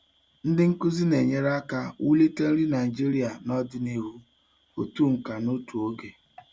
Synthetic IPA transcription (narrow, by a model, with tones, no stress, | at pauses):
n̩˦dɪ˦ŋ̩˦kʊ˦zi˦ne˨ɲe˦ɾa˦ka˦wu˦li˦te˦n̩˦ɾi˦na˨i˨d͡ʒi˦ɾi˦a˨nɔ˦dɪ˦ni˦ɦu˦ | o˨tu˦˨ŋ̩˨ka˨no˦tu˨o˦ɡe˨